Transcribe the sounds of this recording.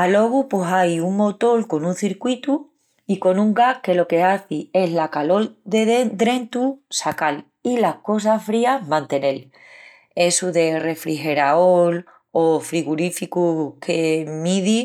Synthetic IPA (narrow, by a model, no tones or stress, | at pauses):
alo̞ɣ̞upwesajuŋmo̞t̪o̞lko̞nũnθiɾkwit̪u | iko̞nũŋɡahke̞lo̞ke̞aθie̞ɦlakalo̞lðeðd̪ɾe̞nt̪usakal | ilahko̞s̬afɾiamãnt̪e̞ne̞l | e̞suðe̞re̞fɾiɦe̞ɾaol | o̞fɾiɣuɾifikukʰe̞miði